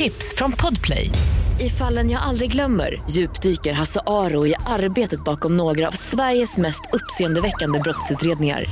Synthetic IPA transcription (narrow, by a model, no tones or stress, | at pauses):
ɪpsfɾɔnpʰɔd̪pʰlɛ̰jɪfalːənjaːɡʔald̪ɾɪɡlœmːə̰ɾjʉ̟ːpd̪yːkəɾɦasaʔɑːɾʊɪʔaɾbeːt̪ət̪̚bɑːkɔmnoːɡɾaa̰vsvæɾjəsmɛst̪ɵpːseːɛnd̪əvɛkːand̪əbɾɔt̪sʉ̟ːt̪ɾeːd̪nɪŋa̰ɾ